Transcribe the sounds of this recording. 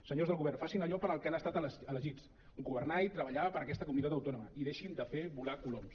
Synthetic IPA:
səɲozðəlˠɣuβɛɾrnfasinəʎɔpəɾəlˠkanəst̪at̪ələələʒit͡s | ɡuβərnait̪ɾəβəʎaβəpəɾəkɛst̪əkumunit̪at̪̬əwt̪ɔnuməiðeʃind̪əfeβulakuloms

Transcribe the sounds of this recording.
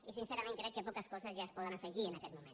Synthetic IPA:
isinseɾamẽŋkɾekːepokaskosazjaespoðanafeʒienaket̪mumẽn

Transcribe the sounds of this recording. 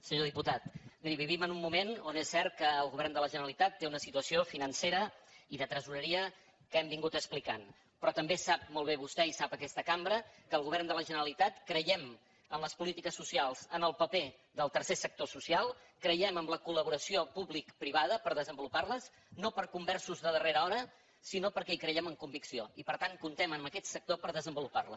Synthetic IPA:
səɲoðiput̪at̪miɾiβiβ̞imənumːumenonesːɛrt̪̚kəːlˠɣuβɛrnd̪ələʒənəəlit̪at̪ːeunəsit̪uəsiofinənseɾəiðət̪ɾəzuɾəɾiə | kəɛmbiŋɡut̪əksplikan | pɾɔt̪əmbesap̚molˠβ̞eβust̪ɛisapəkɛst̪əkambɾəkəːlˠɣuβɛrnd̪ələʒənəɾəlit̪at̪kɾəjɛm | ənləspulit̪ikəsːusialˠzənəlˠpəpe | ðəlˠt̪ərsesək̚t̪osusialˠ | kɾəjɛməmləkuləβ̞uɾəsiopuβlikpɾiβ̞aðəpəɾðəzəmbuluparləs | nopəɾkumbɛrsuzðəðəreɾəɔɾə | sinopəɾkɛikɾəjɛməŋkumbiksioipəɾt̪aŋkunt̪ɛməməkɛt̪sək̚t̪opəɾðəzəmbuluparlə̰

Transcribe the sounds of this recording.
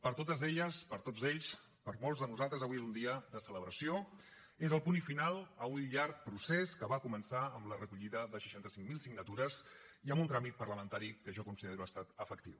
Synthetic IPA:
pəɾt̪ot̪əzeʎəspəɾt̪od͡zzeʎs | pəɾmolˠzðənuzalˠt̪ɾəzəβuezund̪iəðəsələβɾəsio | ezəlˠpunifinalˠəunʎaɾk̚pɾuseskəβakumənsaəmlərəkuʎiðəðəʃə̥ʃant̪əsiŋmilˠsiɡnət̪uɾəz | iəmbunt̪ɾamit̪̚pəɾləmənt̪aɾikəʒɔkunsiðeɾuast̪at̪əfəkt̪iw

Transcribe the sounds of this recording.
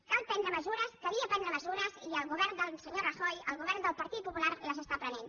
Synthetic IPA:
kalˠpɛnd̪ɾəməzuɾəskəβiəpɛnd̪ɾəməzuɾəziəlˠɣuβɛɾnd̪əlˠsəɲorəxɔjəlˠɣuβɛɾnd̪əlˠpəɾt̪it̪̚pupulaɾləzəst̪apɾənen

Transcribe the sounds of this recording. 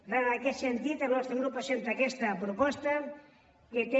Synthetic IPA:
raːkesent̪it̪anost̪ɾeŋɡɾupasent̪ɾakest̪apɾopɔst̪a | ket̪e

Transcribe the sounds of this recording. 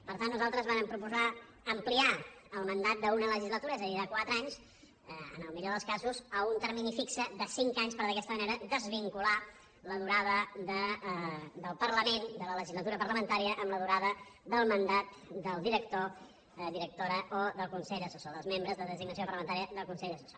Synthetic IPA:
pəɾt̪anːuzalˠt̪ɾəzβaɾəmpɾupuza | əmplia | əlˠmənd̪at̪̚d̪əunələʒizlət̪uɾəɛzəðiðəkwat̪ɾəaɲs | ə̰nəlˠmiʎoðəlˠskazuzəunt̪əɾminifiksəðəsiŋkaɲspəɾðəkɛst̪əməneɾəd̪əzβiŋkula | ləðuɾaðəd̪ə | d̪əlˠpərləmend̪ələləʒizlət̪uɾəpərləmənt̪aɾiəʔəmləðuɾaðəd̪əlˠmənd̪at̪̚d̪əlˠd̪iɾək̚t̪o | d̪iɾək̚t̪oɾəʔoðəlˠkunsɛʎðəsusoðəlˠzmembɾəzðəðəziɡnəs̬iopərləmənt̪aɾiəðəlˠkunsɛʎðəsusa

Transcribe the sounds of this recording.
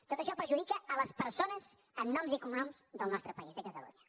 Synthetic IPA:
t̪ot̪əʃɔpəɾʒuðikəələspəɾsonəz | ənːɔmzikumunɔmzðəlˠnɔst̪ɾəpəizðəkət̪əlṵɲə

